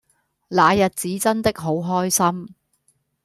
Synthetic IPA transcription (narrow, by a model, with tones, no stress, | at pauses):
laː˨˧jɐ˨t̚t͡siː˨˥t͡sɐ˥nt̪ɪ˥k̚ɦo˨˥wɦɔː˥jsɐ˥m